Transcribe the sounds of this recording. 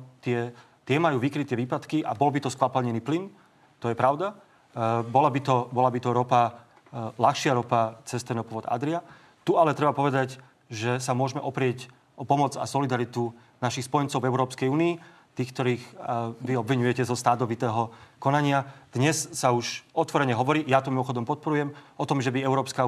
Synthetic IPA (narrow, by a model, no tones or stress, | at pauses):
t̪ɪɛ | t̪ɪɛmajuːʋikɾit̪ɛʋiːpat̪kiʔabɔlbit̪ɔskʋapɛlɲɛniːplin | t̪ɔjɛpɾaʊd̪a | bɔlabit̪ɔbɔlabit̪ɔɾɔpa | laxʃɪaɾɔpat͡sɛst̪ɛnɔpɔʋɔd̪a̰d̪ɾia | t̪ualɛt̪ɾɛbapɔʋɛd̪aɟ | ʒɛsamʊɔʒmɛʔɔpɾɪɛc | ʔɔpɔmɔd͡za̰sɔlid̪aɾit̪u | naʃixspɔjɛnt͡sɔʊvɛʊɾɔːpskɛjuːniː | t̪iːxkt̪ɔɾiːxʋiɔbʋiɲujɛcɛzɔst̪aːt̪ɔʋit̪ɛːɦɔkɔnaɲɪad̪̥ɲɛsːauʃɔt̪ʋɔɾɛɲɛɦɔʋɔɾiːjat̪umimɔxɔd̪ɔmpɔt̪̚pɔɾujɛmɔt̪ɔmʒɛbiɛʊɾɔːpska